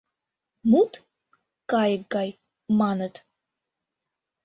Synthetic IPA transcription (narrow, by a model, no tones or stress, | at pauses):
mut̪ | kɑjəɡɑj | mɑnət̪